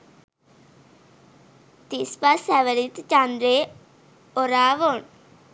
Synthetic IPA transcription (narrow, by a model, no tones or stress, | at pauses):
t̪ɪspasɛːʋəɾɪt̪t͡ʃãːnd̪ɾeː | oɾaːʋoːɳ